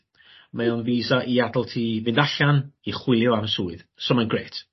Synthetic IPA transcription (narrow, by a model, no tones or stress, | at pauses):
maɔnviːzaʔiadəlˠtʰivɪndaɬaniχwɪlˠjʊaməsuːɨð̥sɔmanɡreːtʰ